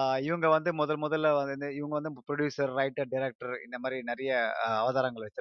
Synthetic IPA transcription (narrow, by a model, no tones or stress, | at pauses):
ɪʋɐŋɡɐʋɐnd̪ɯmɔðɐlmɔðɐlːʋɐnnɯɪʋɐŋɡɐʋɐnd̪ɯpɾɔɽjuːsɐɾːɐɪʈːɐɖɪɾeːk̚ʈɐɾɪ̰nd̪ɐmaːd̪ɾinɛɾɐjɐɐʋɐðaːɾɐŋɡɐɭʋɛt͡ʃːɯɾ